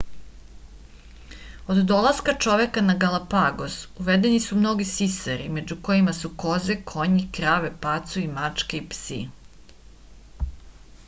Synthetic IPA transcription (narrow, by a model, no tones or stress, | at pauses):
od̪d̪o̞lˠaskat͡ʂo̞ʋekanaɡalˠapaɡo̞zuʋed̪enisumno̞ɡisisaɾḭme̞d͡ʑuko̞jimasuko̞zekʰo̞ɲikɾaːʋepat̪suimat͡ʂkeipsi